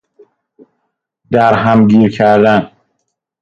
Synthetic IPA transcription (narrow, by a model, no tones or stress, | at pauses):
d̪æɾɦæmɡiːɾcʰæɾd̪æn